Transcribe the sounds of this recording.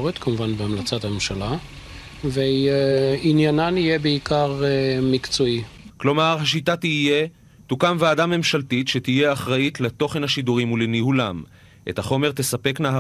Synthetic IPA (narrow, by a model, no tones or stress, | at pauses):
ʁet̪kʰamuvanbeamlat͡sat̪amemʃala | veiinjananijebeikaʁemikt͡soiklo̞maʁɦaʃitatiːje̞ | tukamveːdamːe̞mʃaltitʃe̞tije̞aχʁaitleto̞χe̞nhaʃiduʁimulenihulam | ʔe̞̰thaχo̞me̞ʁt̪e̞sape̞kna